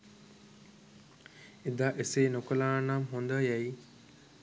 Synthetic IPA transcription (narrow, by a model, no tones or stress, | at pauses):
id̪aʔeseːnokəlaːnamɦond̪əjɛi